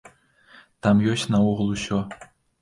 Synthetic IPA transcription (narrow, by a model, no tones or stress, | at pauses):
t̪ɑmjoɕʲnɑuʁɤ̆lˠuɕːo